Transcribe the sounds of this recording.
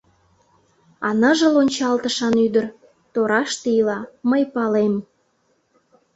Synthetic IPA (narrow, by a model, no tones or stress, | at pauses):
ɑ̰nə̆ʒə̆lonʲt͡ɕɑlt̪əʃɑnyd̪ər | t̪oɾɑʃt̪eilɑməjpɑlem